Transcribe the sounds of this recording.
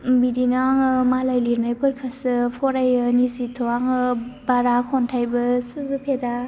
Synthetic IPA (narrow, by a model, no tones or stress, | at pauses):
bidinaaŋɯmalajliɾnajpʰɯɾkʰɯsɯpʰɔɾajɯnizitʰoaŋɯbaɾakʰɔntʰajbɯsɯzupʰeda